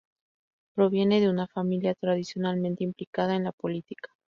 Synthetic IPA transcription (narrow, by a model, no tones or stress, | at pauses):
pɾo̞β̞je̞ne̞ðe̞unafamiljat̪ɾaðisjo̞nalmẽnt̪eimplikað̞aenlapo̞lit̪ikḁ